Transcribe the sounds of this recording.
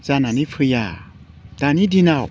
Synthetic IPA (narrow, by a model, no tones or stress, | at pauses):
zananipʰɯja | t̪anidinaw